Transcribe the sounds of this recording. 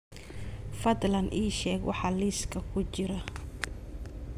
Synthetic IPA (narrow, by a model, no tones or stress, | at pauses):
fɐd̪lɐnʔiːʃɛːɡwɑ̰ħɑːliːskʰɐkʰʊt͡ʃɪɾɐ